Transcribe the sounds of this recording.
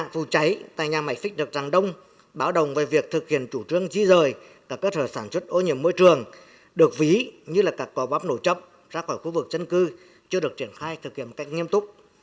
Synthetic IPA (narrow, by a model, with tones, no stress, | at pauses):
a˧˨fu˨˩t͡ɕa˨˦jt̪a̰ː˧˨jɲaː˨˩ma˧˩jfï̟˦˥ɗɨ˨˩ək̚za˨˩ŋɗə˧wŋ͡m | ɓaː˨˦wɗə˨wŋ͡mve˨˩vi˨˩ək̚t̪ʰɨ˨˩k̚hḭ˧˩ənt͡ɕu˧˩t͡ɕɨ˧əŋzi˧zəː˨˩j | kaː˧˩kːəː˦˧˥t̪ʰəː˧˩saː˧˩nswə˦˥t̚ʔo˧˦ɲḭ˧˩əmːo˧jt͡ɕɨ˨˩əŋ | ɗɨ˨˩ək̚vi˨˦ɲɨ˧laː˨˩kaː˦˥˩kːɔ˨˦ɓaː˨˦˥p̚no˧˩t͡ɕə̰˧˨wŋ͡m̚ | zaː˧xɔː˧˩jxu˧vɨ˨˩k̚zə˧nkɨ˧ | t͡ɕɨ˧əɗək̚t͡ɕi˧˩ənxaː˧jt̪ʰɨ˨˩k̚hi˧əm˨˩ka˦˥jk̟̚ŋi˧əmt̪ʊ˦˥k͡p̚